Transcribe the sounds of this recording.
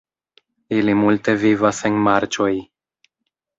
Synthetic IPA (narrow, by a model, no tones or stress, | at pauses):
ilimulte̞vivase̞nmaɾt͡ʃo̞j